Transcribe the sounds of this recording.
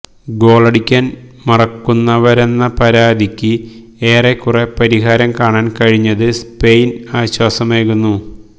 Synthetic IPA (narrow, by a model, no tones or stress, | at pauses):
ɡo̞ːɭɐɽikʲːaːn | mɐrɐkːunːɐʋɐɾe̞nːɐpɐɾaːd̪ikʲːɨ | eːrekːurepɐɾiɦaːɾɐmkaːɳaːnkɐɻiɲːɐðɨspe̞jnaːɕwaːsɐmeːkunːu